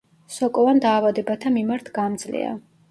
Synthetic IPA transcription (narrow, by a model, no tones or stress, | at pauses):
sɔkʼɔvand̪aːvad̪ɛbat̪ʰamimaɾt̪ʰɡamd̪zlḭa̰